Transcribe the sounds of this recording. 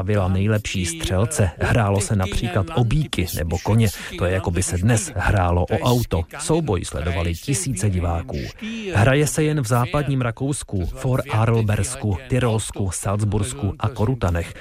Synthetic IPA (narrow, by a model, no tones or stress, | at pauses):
avɪlanɛjlɛpʃiːst̪r̝̥ɛlt͡sɛhɾaːlo̞sɛnapr̝̥iːklat̪ʔo̞biːkɪnʔɛ̰bo̞ko̞ɲɛt̪ojɛjako̞bɪsɛdnɛshɾaːlo̞ʔoʔawt̪o̞so̞wbo̞jslɛ̰do̞valɪcɪsiːt͡sɛɟɪvaːkṵːɦɾajɛsɛjɛnvzaːpadɲiːmɾako̞wskufoɾʔaɾl̩bɛɾskut̪ɪɾolskusald͡zzbuɾskuʔako̞ɾut̪anɛx